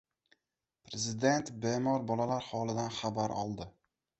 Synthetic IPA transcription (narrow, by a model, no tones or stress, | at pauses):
pʰɾezɪd̪e̞nt̪bemɒɾbɒlalaɾhɒlˠɪd̪anχabaɾɒ̰lˠd̪ɪ